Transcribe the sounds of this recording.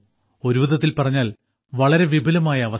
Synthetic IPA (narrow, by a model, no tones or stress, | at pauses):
o̞ɾuʋuðɐt̪ːilpɐrɐɲːaːl | ʋɐɭɐɾe̞ʋibʱɐlɐmaːjɐːʋɐ